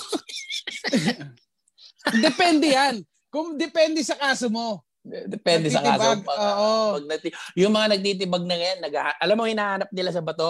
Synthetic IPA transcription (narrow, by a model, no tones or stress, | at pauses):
d̪ɛpɛnd̪ɛjan | kʊŋd̪ɛpɛnd̪ɛsɐkaːsomo̞ | d̪ɛpɛnd̪ɛsɐka̰ːsoɡoːʔoɐɡ̚nɐt̪ijʊŋmɐŋanɐɡ̚t̪iːt̪̬ɪbɐɡ̚nɐŋɐjanːɐɡahaʔɐlamːohɪnaːhanɐp̚nɪlasɐbɐt̪o